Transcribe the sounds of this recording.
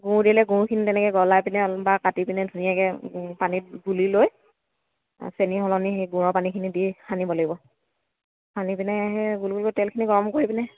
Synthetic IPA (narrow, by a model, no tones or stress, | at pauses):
ɡũdilɛɡũkʰinitɛnɛkɛɡɔlajpinɛbakatipinɛdʱunijakɛpanit̚ɡuliloj | seniɦɔlɔnixeɡũɔpanikʰinidihanibɔloɡibɔ | hanipinɛɦɛɡulɡulkotɛlkʰiniɡɔɹɔmkoɹipinɛ